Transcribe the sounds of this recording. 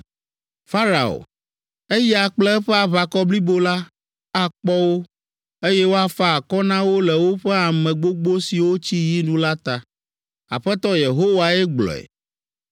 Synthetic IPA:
fa˦ɾa̰˨o̰˨ | e˦jɛ˦a˨k͡plɛ˦ɛ˦ɸɛ˦a˨βa˨kɔ˦bli˦bo˦la˦ | a˦k͡pɔ˦wo˦ | e˦jɛ˦wo˦a˦fa˦a˨kɔ˦nã˦wo˦lɛ˨wo˦ɸɛ˦a˨mɛ̃˨ɡ͡bo˦ɡ͡bo˦si˨wo˦t͡ɕi˦ji˦nũ˦la˦t̪a˨ | a̰˨ɸɛ˦t̪ɔ˦je˨ɦo˦wa˨ɛ˦ɡ͡blɔ̰˨ɛ̰˨

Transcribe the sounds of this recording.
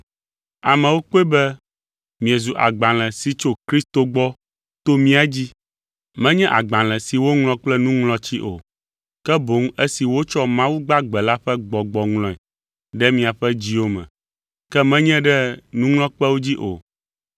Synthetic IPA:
a˨mɛ̃˨wo˦k͡po˦e˦bɛ˦ | mĩ˨ɛ˨zu˨ʔa̰˨ɡ͡bã˨l̃ɛ̃˨si˨t͡ʃo˨kɾi˦st̪o˨ɡ͡bɔ˦ | t̪o˦mĩ˦a˨d͡ʑi˦ | mɛ̃˦ɲɛ̃˦ʔa˨ɡ͡bã˨l̃ɛ̃˨si˨wo˦ŋlɔ̃˦k͡plɛ˦nũ˦ŋl̃ɔ̃˦t͡ɕi˦ʔo̰˨ | kɛ˦bo˨˦ŋ˦ɛ˦si˨wo˦t͡ʃɔ˦mã˦wu˦ɡ͡ba˦ɡ͡bɛ˨la˦ɸɛ˦ɡ͡bɔ˨ɡ͡bɔ˨ŋlɔ̃˨ɛ˨ | ɖɛ˦mĩ˨a˨ɸɛ˦d͡ʑi˦wo˦mɛ̰̃˨ | kɛ˦mɛ̃˦ɲɛ̃˦ɖɛ˦nũ˦ŋl̃ɔ̃˦k͡pɛ˦wo˦d͡ʑi˦ʔo̰˨

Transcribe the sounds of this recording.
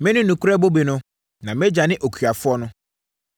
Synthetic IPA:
mɪ̃˦nʊ̃˦nũ˨kʰu˦ɾɛ˦bo˦be˨nʊ̃˦ | nã˨mɛ̃˦d͡ʑa˨nɪ̃˦ʔo˨kʰɥa˨fʊ˦ɔ˦nʊ̃˦

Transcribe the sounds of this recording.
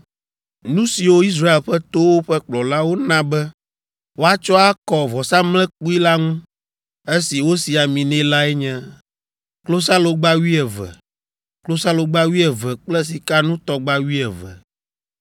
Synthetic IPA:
nũ˦si˨wo˦i˦s̬ɾa˦e˨lɸɛ˦t̪o˦wo˦ɸɛ˦k͡plɔ˨la˦wo˦nã˦bɛ˦ | wo˦a˦t͡ʃɔ˦a˦kɔ˨vɔ˨sa˦mlɛ̃˦k͡pu˦i˦la˦ŋũ˦ | e˦si˨wo˦si˨a˨mĩ˨nɛ̃˦la˦ɛ˦ɲɛ̃˦ | klo˦s̬a˦lo˨ɡ͡ba˦wi˦ɛ˨vɛ̰˨ | klo˦sa˦lo˨ɡ͡ba˦wi˦ɛ˨vɛ˨k͡plɛ˦s̬i˨ka˦nũ˦t̪ɔ˦ɡ͡ba˦wi˦ɛ˨vɛ̰˨

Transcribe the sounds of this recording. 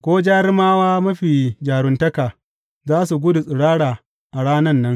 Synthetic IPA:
kʷoː˦d͡ʒaː˦ɾɪ˦maː˦waː˦mɐ˦ɸiː˨d͡ʒaː˨ɾʊ˦ntɐ˦kaː˨ | zaː˦su˨ɡʷʊ˦du˨sʼɪ˨ɽaː˦ɽaː˨ | ʔa˨ɽaː˦nɐ˦nːɐ˦ŋ

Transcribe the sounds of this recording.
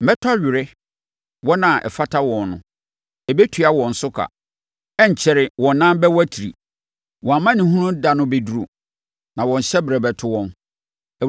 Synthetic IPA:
mɛ˦tʰa˦ɥᶣɪ˨ɾɪ˦ | wɔ˦nã˨ʔɛ̰˨fa˦tʰa˦wɔ̃˨nːʊ̰̃˨ | ɛ˨bɛ˦tʰu˨a˦wɔ̃˨n̩˨sʊ˦kʰa̰˨ | ɛ˦ɲ̩˨t͡ɕʰɛ˨ɾɪ˨wɔ̃˨n˦nã˦m˦bɛ˦wæ˦tʰi˨ɾḭ˨ | wʔɔ̃˨a˨mã˦nɪ̃˨hũ˦nʊ̃˦da˨nʊ̃˦be˨du˦ɾu˨ | nã˨wɔ̃˨ɲ̩˨ɕɛ˦bɾɛ˨bɛ˨tʰʊ˦wɔ̃˦˨n˨

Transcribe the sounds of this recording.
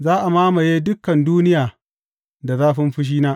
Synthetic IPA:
zaː˦ʔa˨maː˦ma˨jeː˦dʊ˦kːɐ˨nduː˦nɪ˦jaː˨ | da˨zaː˦ɸɪ˦mɸʊ˦ʃ̬iː˦naː˦ʔ

